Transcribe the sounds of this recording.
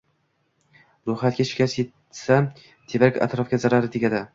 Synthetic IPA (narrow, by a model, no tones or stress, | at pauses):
ɾohat̪̚ɡʲaʃɪ̥kʲaset̪ | sa | t̪ʰebɾakʲa̰t̪ɾɒfɡʲazaɾaɾɪd̪ʰekʲad̪a